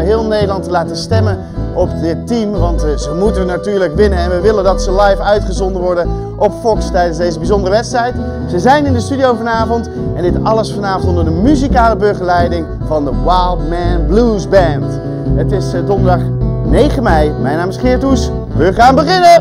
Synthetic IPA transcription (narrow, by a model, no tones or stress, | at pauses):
ɦɪːlˠnejdəlˠɑntəlaːtənstɛmən | ʔɔp̚dɪtːimʋɑntzəmutənnatyːɹləkʋɪnənɛnʋəʋɪləndɑtsəlɑjfœɥtχəzɔndənʋɔɹdən | ʔɔpfɔkstɛjdənzdejzəbizɔndərəʋɛpstrɛjt | səzɛjnɪndəstydiowvɑnaːvɔnt | ɛndɪtɑləsfɑnaːvɔntɔndədəmyzikaːləbɵɹχəlɛjdɪŋ | vɑndəwajlˠdmɛnblusbɛnt | ətɪsdɔndədɑχnejχəmɛjmɛjnaːmɪsχɪːɹtus | ʋəχaːnbəχɪnə